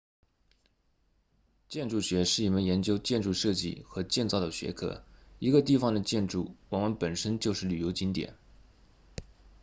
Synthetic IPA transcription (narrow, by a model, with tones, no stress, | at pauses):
t͡ɕjɛ˥˧nʈ͡ʂu˥˩ɕɥɛ˧˥ʂɻ̩˥˩i˥˩mə˧˥njɛ˧˥nt͡ɕjo˥ʊt͡ɕjɛ˥˧nʈ͡ʂu˥˧ʂɤ˥˧t͡ɕḭ˥˩xɤ˧˥t͡ɕjɛ˥˧nt͡sɑ˥˩ʊd̪ə˨˩ɕɥɛ˧˥kʰɤ̰˧˩˦i˧˥ɡə˧t̪i˥˩fɑ˨˩ŋd̪ə˩t͡ɕjɛ˥˧nʈ͡ʂu˥˩wɔ˨˩mə˧˥npə˨˩nʂə˥nt͡ɕjo˥˧ʊʂɻ̩˥˩ly˨˩jo˧˥ʊt͡ɕi˥nt̪jɛ̰˨˩˦n